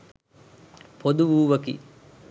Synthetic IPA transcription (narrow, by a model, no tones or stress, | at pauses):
pʰod̪uʋuːʋɐkḭ